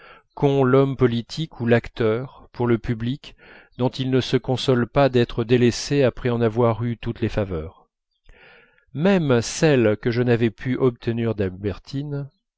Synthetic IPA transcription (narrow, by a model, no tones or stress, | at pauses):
kɔ̃lɔmpɔlit̪ʰikʰulakt̪œːʁpuʁləpyblik | d̪ɔ̃t̪ilnəsəkɔ̃sɔlpad̪ɛt̪χəd̪eleseapχɛɑ̃navwaʁyt̪ut̪lefavœːʁ | mɛmsɛlkəʒənavɛpʰyʔɔp̚t̪ʰəniʁd̪albɛʁt̪ʰin